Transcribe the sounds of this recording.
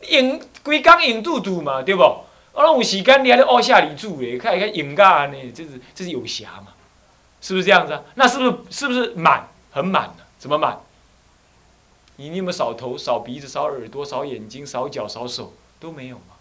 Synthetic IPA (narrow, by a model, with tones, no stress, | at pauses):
i˨˩ŋkwi˨˦ka˦ŋi˨˩ŋt͡su˥˧t͡su˨˩ma˨t̪we˥˧˩bɔ˨˩˨ | a˥˩ŋu˨˩ɕi˨˩ka˦nli˨˧ha˥˦a˥˧˦ʔa˥ɕja˥˩li˨˩t͡su˥˩e˨kʰa˥˩n˨kʰa˥˩˨i˨˩ŋka˥˧˨nɛ˨t͡sə˥˧˨t͡ɕə˥˧sɨ˧˨jo˨˩ʊɕja̰˨˧˦ma˨ | ʂɻ̩˥˩bu˨˧˥ə˧ja˥ŋd͡za˧˦na˥˧ʂɻ̩˥˧˩ʂɻ̩˥˩bu˨˩ʂ̬ɻ̩˥˩ma̰˨˩˦n | hə˨˦nma̰˨˩nə˨˦sə˨˦mə˦ma̰˨˩˦n | ni˨˩ni˥˨mə˧˦sɑ˨˩ʊt̪ʰo˧˦ʊsɑ˨˩ʊpi˨˦t͡sɨ˧˨˩sɑ˨˦ʊə˞˨˩t̪wɔ˥˦sɑ˨˦ʊjɛ˨˩nt͡ɕi˦ŋsɑ˨˦ʊt͡ɕjɑ˨˩ʊsɑ˧˦ʊso˨˩˦ʊ | t̪o˦ʊmẽ˧˦ɪjo˨˩ʊma˨˦